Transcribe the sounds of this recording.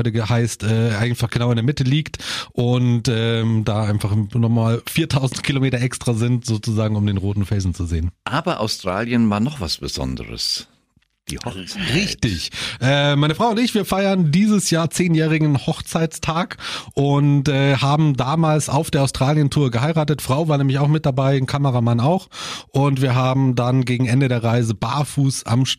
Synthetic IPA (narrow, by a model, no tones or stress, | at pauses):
ʏtəɡəhaɪstʔɛːʔaɪfaχɡ̥ənaʊɪndeɐmɪtəliːktʔʊntʔɛːmd̥aːʔaɪnfaχnɔχmaːlfiːɐtʰaʊzn̩tkʰilomeːtɐʔɛkstʁ̥aːzɪntz̥oːt͡suzaːɡŋ̩ʊmdeːnʁoːtn̩fɛlzn̩t͡suzeːənʔaːbɐʔa̰ʊstʁ̥a̰ːljənvaːɐnɔχv̥a̰sb̥əz̥ɔ̰ndə̰ʁə̰s | d̥ḭːht͡sʁɪçtɪçʔɛːmaɪnəfʁ̥aʊʊntɪçv̥iːɐfaɪɐndiːzəsjaːɐt͡seːnjɛːʁ̞ɪɡŋ̩n̩hɔxt͡saɪtt͡stʰaːkʔʊntʔɛːhaːbm̩daːmaːlsa̰ʊfd̥eːɐaʊstʁ̥aːljəntʰuːɐɡəhaɪʁaːtətfʁ̥aʊvaːɐnɛːmlɪçaʊxmɪt̚d̥abaɪɪnkʰaməʁamanaʊxʔʊntv̥iːɐɦaːbm̩danɡeːɡŋ̩ʔɛndədeːɐʁaɪzəba̰ːɐfuːsa̰mʃ